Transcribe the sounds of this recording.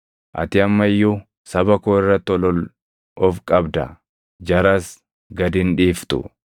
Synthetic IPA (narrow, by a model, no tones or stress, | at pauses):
ʔɐ̰t̪ɪɐmːɐjːʊ | sɐbɐkoːɪrːɐt̪ːɔlɔl | ɔfkʼɐbd̪ɐ̰ | d͡ʒɐɾɐs | ɡɐd̪ɪnᶑiːft̪ʊ̰